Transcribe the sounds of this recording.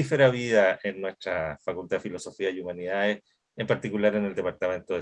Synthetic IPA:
ifeɾaβiðaʔenːwe̞st̪ɾafakult̪aðefilo̞sofiajumaniðaðes | empaɾt̪ikulaɾeneld̪epaɾt̪amẽ̞nt̪oðe

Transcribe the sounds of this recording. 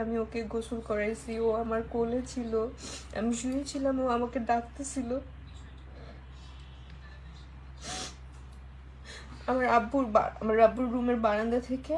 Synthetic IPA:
amiokeɡosulkɔɾajt͡ɕʰioamaɾkolet͡ɕʰiloa̰miʃujet͡ɕʰilamoamaked̪ak̚ʰt̪et͡ɕʰilo | amaɾabːuɾba̰a̰maɾːabːuɾːumeɾbaɾand̪at̪ʰeke

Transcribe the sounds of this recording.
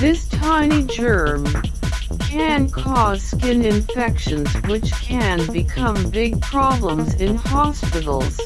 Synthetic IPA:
ðɪstʰãɪ̃nid͡ʒɜ˞m | kʰɨ̃nkʰɔz̥skɪ̃nɪ̃ɱfɛkʃɨ̃nzwɪt͡ʃkʰɨ̃nbɨkʰʌ̃mbɪɡ̚pʰɹ̥ɑblə̃mzɪ̃nhɑspɪɾl̩ˠz̥

